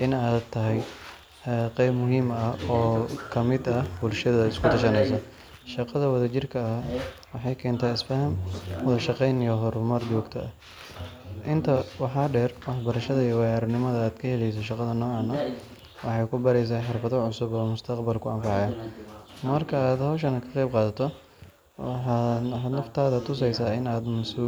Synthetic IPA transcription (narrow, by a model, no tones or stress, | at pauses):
ʔɪnaːt̪ʰːɐɦɛj | qɛjbmʊɦiːmɐɔːkʰɐmɪd̪ɐbʊlʃɐðɐɪskʰʊt̪ʰɐʃɐnɛjs̬ɐ | ʃɑqɑðɐwɐðɐt͡ʃɪrkʰɐɐwɑħɑjkʰɛːnt̪ʰaːɪsfɐhɐmwɔðɐʃɑqɛjnijɔɦɔɾʊmɐrd͡ʒɔːɡt̪ʰɐɐ | ʔɪnt̪ʰɐwɑħɑːɖɛrwɑħbɐɾɐʃɐðɐijwɑjaːɾɐnɪmɐðɐaːd̪̥kʰɐhɛlɛjs̬ɔʃɑqɑðɐnɔːaːnɔ | wɑ̰ħɑjkʰʊbɐɾɛjs̬aːħɪrfɐðɔʕʊsʊbɔːmʊst̪ʰɐqbɐlkʰʊɐmfɑʕjaːmɐrkʰɐaːd̪hɔːʃɐnɐkʰɐ̥qɛjb̚qɑːðɐt̪ʰɔ | wɑħad̪nɔqt̪ʰaːðɐt̪ʰʊsɛjsaːɪnaːd̪mɐsuː